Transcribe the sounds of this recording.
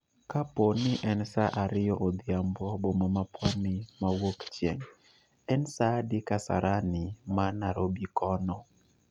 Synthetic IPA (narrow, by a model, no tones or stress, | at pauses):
kaponɪʔɛnsaʔaɾɪjɔʔod̪ɪambɔbomamapʰɔnɪmawokt͡ʃjɛ̰ŋ | ɛnsadɪkasa̰ɾʔanɪmanaɾobikʰɔnɔ